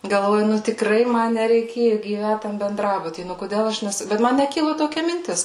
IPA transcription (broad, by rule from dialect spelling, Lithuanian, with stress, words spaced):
ɡɐlˠˈʋoːjʊ ˈnʊ tʲɪkˈrɐɪ ˈmɐ nʲɛrʲɛɪˈkʲeːjʊ ɡʲiːˈʋʲæt ˈtɐm bʲɛnˈdrɑːbʊtʲiː ˈnʊ koːˈdʲɛlˠ ˈɐʃ nʲɛˈsʊ ˈbʲɛt ˈmɐn nʲɛˈkʲɪlˠʊ toːˈkʲɛ mʲɪnʲˈtʲɪs